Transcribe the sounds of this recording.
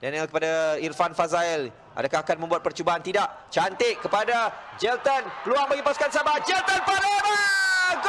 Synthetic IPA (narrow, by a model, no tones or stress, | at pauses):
danalkəpadairfanfazail | ʔa̰dakahakanmə̃mbuat̪̚pərt͡ʃubaɦant̪idaʔ | t͡ʃant̪ɪʔkːəpadad͡ʒɛlt̪ənpəluaŋməŋipaskansabad͡ʒɛlt̪ənpalama